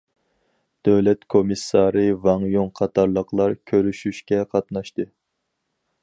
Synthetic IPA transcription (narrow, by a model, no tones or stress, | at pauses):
d̪̥øwlɛt̪kʰomisːɑɾɨvɑŋjoŋqʰɑt̪ʰɑɾlˠəqlˠɑɾkʲʰøɾyʃyʃkʲɛqʰɑt̪nɑʃt̪ɨ